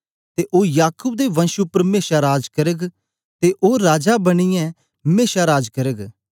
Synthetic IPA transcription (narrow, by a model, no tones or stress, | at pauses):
t̪eʔoːjaːkʊːb̚d̪eʋɐ̃nʃupɐɾmeːʃaɾaːd͡ʒkɐɾəɡ | t̪eʔoːɾaːd͡ʒabɐɽ̃ɪjɛ̃ | meːʃaɾaːd͡ʒkɐɾəɡ